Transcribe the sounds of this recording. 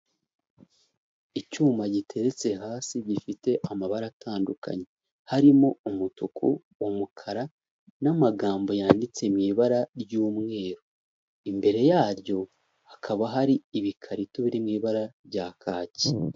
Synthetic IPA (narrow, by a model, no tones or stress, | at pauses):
icuːmaɟitʰe̞ɾe̞t͡se̞ɦaːsiɟifite̞ʔamaβaɾatʰaːnduka̰ɲe̞ | haɾimo̞umutukʰṵ | womukʰaɾa | namaɡaːmbo̞jaːndit͡semŋiːβaɾaɾjuːmŋe̞ːɾo | imbe̞ɾe̞jaːɾjo̞ | hakʰaβaɦaɾiiβikʰaɾituβiɾimŋiːβaɾaβɟaːkʰaːci̥